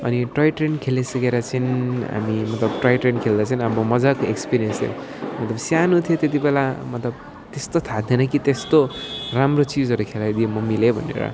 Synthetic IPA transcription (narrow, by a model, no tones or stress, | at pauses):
ʌ̰niʈrʌjʈrenkʰelesʌkeɾʌt͡sʰinɦa̰mimʌt̪lʌbʈrʌjʈrenkʰeld̪at͡sʰʌinʌbʌmʌd͡zakoekspiɾijʌnst̪ʰjḛ̃ | mʌt̪lʌbsjanut̪ʰijot̪et̪̬ibelamʌt̪lʌb̚ | t̪est̪ot̪ʰad̪ʱenʌkit̪est̪oramrot͡sid͡zʌɾukʰelajd̪iemʌmilebʱʌ̰nːḛɾʌ̰